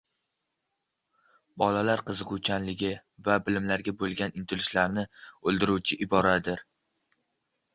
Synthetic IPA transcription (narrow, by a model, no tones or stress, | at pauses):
bɒlalaɾqʰɨzɨqʊwt͡ʃʰanlɪɡʲɪvabɪlɪmlaɾɡʲabolˠɡʲanɪnt̪ʰɪlɪʃlaɾnɪɵlˠd̪ɪɾuwt͡ʃʰɪʔɪbɒɾad̪ɪɾ